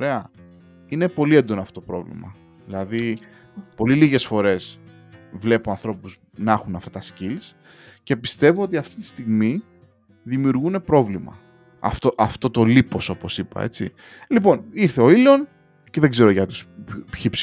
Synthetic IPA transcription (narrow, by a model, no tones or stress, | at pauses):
oɾe̞ɐ | ine̞po̞liend̪o̞noɐfot̪opɾo̞̰vlḭmɐ̰ | ðilɐði | po̞liliɣe̞sfo̞ɾe̞s | vle̞puɐnθɾo̞puz | nɐxunɐft̪ɐt̪ɐscils | ce̞pist̪e̞vuot̪̬iɐft̪i̥t̪i̥st̪iɣmi | ðimiuɾɣune̞pɾo̞vlimɐ̰ | ɐ̰ft̪oʔɐft̪o̞t̪olipo̞so̞po̞sipɐ̰e̞̰t͡si | lipo̞niɾθe̞o̞ilo̞n | ceðe̞ɡze̞ɾoʝɐt̪uspçips